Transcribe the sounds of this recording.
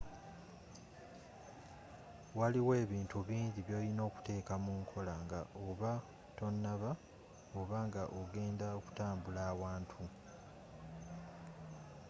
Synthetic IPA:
waliwe̞ːβiːntuβiːndiβjo̞ːlino̞ːku̥te̞ːkamuːŋkʰo̞laŋɡa̰ʔoβa | to̞nːaβa | oβaŋɡaʔoɡe̞ːndaoku̥taːmbulaːwaːntʰu

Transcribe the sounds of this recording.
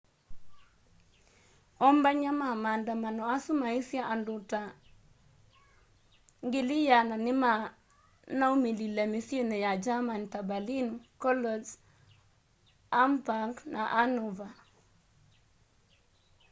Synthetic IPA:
ɔmbaɲamamandamanɔasumaisjaʔandʊta | ŋɡɪlijananɪma | naumililamisionejad͡ʒamantabalinkɔlɔs | ampaŋknʔaʔanɔva

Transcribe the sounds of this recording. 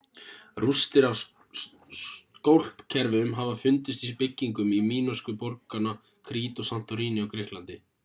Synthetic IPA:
rust̪ɪɾaw | kowl̥pcʰɛɾvɪʏmɦavafʏnt̪ʏst̪ipɪcːiŋkʏmimiːnɔskʏpɔɾkana | kʰɾiːt̪ɔsan̥t̪ɔɾiːnɪɔwkʰɾɪhk̪lant̪ɪ

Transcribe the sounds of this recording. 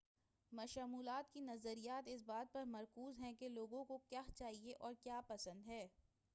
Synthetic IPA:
mɐʃaːmuːlaːt̪kinɐzəɾijaːt̪ɪs̬baːt̪̚pɐɾmɐɾkuːzɦɛ̃keloːɡõkokjaːt͡ʃaːɦieʔɔːɾkjaːpɐsə̃nd̪ɦɛː

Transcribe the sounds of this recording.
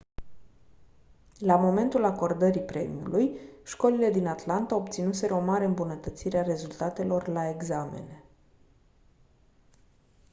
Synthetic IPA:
lamo̞me̞nt̪ulako̞rd̪əɾipɾe̞̰mʲṵṵlujʃko̞lile̞d̪inat̪lant̪ao̞p̚t̪sinuse̞ɾeo̞maɾeɨmbunət̪ət̪siɾeare̞zult̪at̪e̞lo̞rlae̞ɡzame̞̰ne

